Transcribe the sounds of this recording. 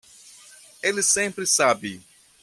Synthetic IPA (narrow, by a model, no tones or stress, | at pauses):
elɪsẽmpɾɪsabɪ